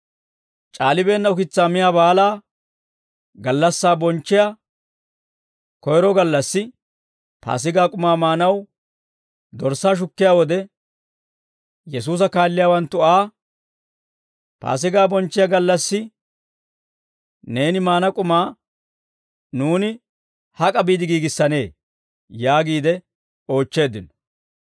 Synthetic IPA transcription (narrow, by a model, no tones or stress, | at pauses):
t͡ʃʼaːlɪbe̞ːnːɐʊkɪt͡sːaːmɪjaːbaːlaː | ɡɐlːɐsːaːbɔnt͡ʃːɪja | kɔjɾɔɡɐlːɐsːɪ | pʰa̰ːs̬ɪɡaːkʼʊmaːmaːnɐw | d̪ɔɾsaːʃ̬ʊkːɪjaːwɔd̪ɛ | jɛs̬uːs̬ɐkaːlːɪjaːwɐnt̪ːʊaː | pa̰ːs̬ɪɡaːbɔnt͡ʃːɪjaɡɐlːɐsːɪ | ne̞ːnɪmaːnɐkʼʊmaː | nuːnɪ | hɐkʼɐbiːd̪ɪɡiːɡɪsːɐne̞ː | jaːɡiːd̪ɛ | o̞ːt͡ʃːe̞ːd̪ɪnɔ̥